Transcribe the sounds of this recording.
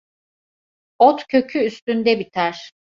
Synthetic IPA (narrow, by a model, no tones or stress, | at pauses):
ot̪cʰø̞cʰyːst̪ynd̪ɛbit̪ʰæɾ̥